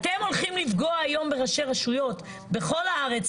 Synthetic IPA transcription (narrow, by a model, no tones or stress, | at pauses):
at̪e̞mo̞lχimlivɡoaajo̞mbeʁaʃe̞ʁaʃujo̞t̪ | beχo̞laaʁe̞t͡s